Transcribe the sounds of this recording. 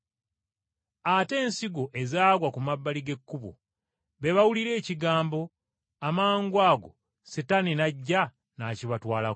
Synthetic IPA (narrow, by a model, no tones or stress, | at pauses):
ate̞ːnsiɡo̞ʔe̞zaːɡwakumabːaliɡe̞kːuβo̰ | βe̞βawuliɾe̞ːciɡaːmbo̞ | amaːŋɡwaːɡo̞̰ | sitaninaɟːa | naːciβatwaːla